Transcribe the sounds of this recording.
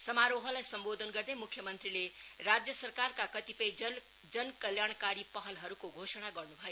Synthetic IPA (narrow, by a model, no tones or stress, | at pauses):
sʌmaɾoɦəlajsʌmbod̪ʱənɡʌɾd̪emukʰjəmʌnt̪ɾile | ɾad͡ʒjəsəɾkaɾkakʌt̪ipʌj | d͡ʒʌnkəljaɽ̃kaɾipʌɦʌlɦʌɾukoɡʱosəɽ̃aɡʌɾnubʱʌjo